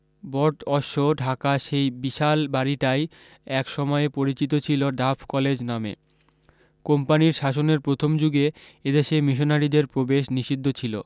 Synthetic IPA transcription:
bɔʈɔʃoɖʱakaʃejbiʃalbaɾiʈaj | ɛkʃɔmɔepoɾit͡ɕit̪ot͡ɕʰiloɖafʰkɔled͡ʑnamḛ | kompaniɾʃaʃ̬oneɾpɾot̪ʰomd͡ʑuɡeed̪eʃemiʃ̬onaɾid̪eɾpɾobeʃniʃid̪ʱːot͡ɕʰilo̰

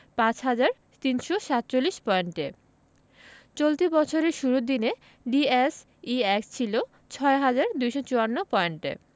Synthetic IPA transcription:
pãt͡ɕɦad͡ʑaɾ | t̪inʃoʃat̪̚ːt͡ɕolːiʃpɔeɳʈḛ | t͡ɕolt̪ibɔt͡ɕʰoɾeɾʃuɾud̪ine | ɖies | iɛkst͡ɕʰilo | t͡ɕʰɔeɦad͡ʑaɾd̪ujʃot͡ɕuanːopɔeɳʈḛ

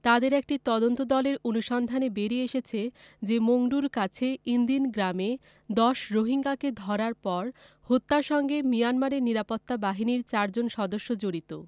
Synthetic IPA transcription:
t̪ad̪eɾɛk̚ʈit̪ɔd̪ont̪od̪ɔleɾonuʃɔnd̪ʱanebeɾieʃet͡ɕʰed͡ʑemoŋɖuɾkat͡ɕʰeind̪inɡɾame | d̪ɔʃɾoɦiŋɡaked̪ʱɔɾaɾpɔɾ | hot̪ːaɾʃɔŋɡemijanmaɾeɾniɾapot̪ːabaɦiniɾt͡ɕaɾd͡ʑonʃɔd̪oʃːod͡ʑoɾit̪o̰

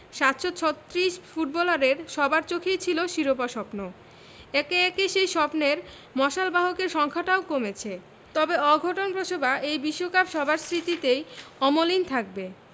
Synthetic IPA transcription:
ʃat̪ʃot͡ɕʰɔt̪ːɾiʃfuʈ̚bɔlaɾeɾʃɔbaɾt͡ɕokʰejt͡ɕʰiloʃiɾopaʃɔpno | ɛkeɛkeʃejʃɔpneɾ | mɔʃalbaɦokeɾʃɔŋkʰaʈaokomet͡ɕʰe | t̪ɔbeɔɡʱoʈonpɾoʃʰobaʔejbiʃːokapʃɔbʱaɾsɾit̪it̪ejɔmolint̪ʰak̚be

